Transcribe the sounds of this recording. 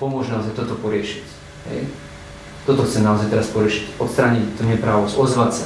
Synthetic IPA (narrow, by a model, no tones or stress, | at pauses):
pomoʒnawzɛt̪ot̪opɔɾeːʃi̥t̪ʲ | nɛ̰j | t̪ot̪osɛnaozɛjt̪ɛɾaspɔɾeːʃi̥t̪ʲot̪st̪ɾaːnʲit̪t̪oniɛpɾaːʋosozʋat̪sɛ